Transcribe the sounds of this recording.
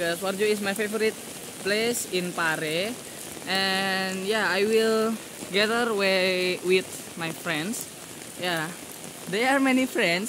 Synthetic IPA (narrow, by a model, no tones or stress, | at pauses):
kɔsward͡ʒuismajfevɔɾit̪̚ | plesinpaɾe | ʔɛnjaajwil | ɡɛðərwewit̪̚ | majfɾɛ̃nds | ja | d̪ɛaɹmɛnifɾɛ̃nds